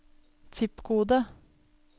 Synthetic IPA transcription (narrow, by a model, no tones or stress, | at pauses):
t̪ʰɪpɡuːd̪ə